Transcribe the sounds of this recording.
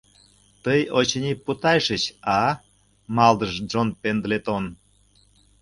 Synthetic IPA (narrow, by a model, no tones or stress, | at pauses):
t̪əjot͡ɕənʲiput̪ɑjʃət͡ɕɑ | mɑld̪əʒd͡ʒonpend̪let̪on